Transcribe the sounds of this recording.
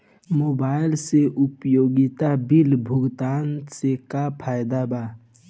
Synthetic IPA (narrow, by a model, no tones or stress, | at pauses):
moːbaːɪlseʔʊpjoːɡɪt̪abilbʱʊɡt̪aːnsekapʰaːjd̪aba